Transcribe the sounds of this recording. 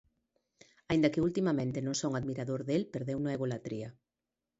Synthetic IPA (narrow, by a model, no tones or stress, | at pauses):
aĩnd̪ɐkɪult̪imamẽnt̪enõŋsowŋaðmiɾaðoɾðelpeɾðewnuaeɣolat̪ɾia